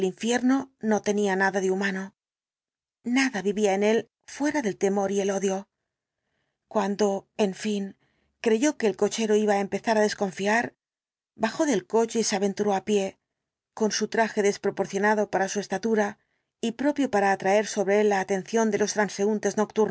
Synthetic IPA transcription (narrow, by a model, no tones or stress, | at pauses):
liɱfje̞ɾno̞no̞t̪e̞nianaðaðeumano̞ | naðaβiβiaene̞l | fwe̞ɾaðe̞lt̪e̞mo̞ɾie̞lo̞ðjo̞ | kwand̪o̞e̞ɱfiŋ | kɾe̞ʝo̞ke̞ːlko̞t͡ʃe̞ɾo̞iβaempe̞θaɾaðe̞sko̞ɱfiaɾ | baxo̞ðe̞lko̞t͡ʃeiseaβe̞nt̪uɾo̞apje̞ | ko̞nsut̪ɾaxe̞ðe̞spɾo̞po̞ɾθjo̞naðo̞paɾasue̞st̪at̪uɾa | ipɾo̞pjo̞paɾaːt̪ɾae̞ɾso̞βɾe̞e̞lːaːt̪e̞nθjo̞nd̪e̞lo̞st̪ɾanse̞ɣunt̪e̞znok̚t̪uɾ